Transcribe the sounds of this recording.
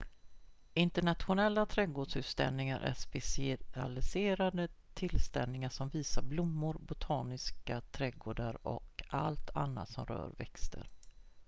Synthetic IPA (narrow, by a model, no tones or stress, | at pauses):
ɪnt̪əɳat̪ɧʊnɛlːat̪ʰɾɛɡoːɖʂhʉ̟ːt̪st̪ɛ̰lnɪŋaɾʔæ̰ʂpɛsɪa̰lɪseːɾad̪ət̪ʰɪlst̪ɛlnɪŋaʂɔmviːsaɾblʊmːʊɾbʊt̪ʰɑːnɪskat̪ʰɾɛɡoːɖaɾɔ̰ka̰lt̪ʰa̰nːa̰t̪sɔmɾœ̰ːɾvɛ̰kst̪ə̰ɾ